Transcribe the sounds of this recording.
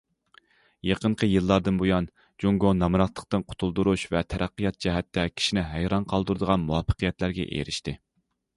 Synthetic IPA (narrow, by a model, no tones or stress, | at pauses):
jeqəɴqʰəjɨlˠːɑɾd̪ɨnbojɑn | d͡ʒuŋɡonɑmɨɾɑt̪lˠəq̚t̪ɨnqʰʊ̥t̪ʰulˠd̪uɾuʃvɛt̪ʰæɾʔæqːəjɑt̪̚t͡ʃʰɛɦɛt̪ːɛkʲʰi̥ʃinɪɦæjɾɑnqʰɑlˠd̪uɾd̪əʁɑnmuwɑfːə̥qʰijɛt̪læɾɡʲɛ̰ʔḛɾɪʃt̪ɪ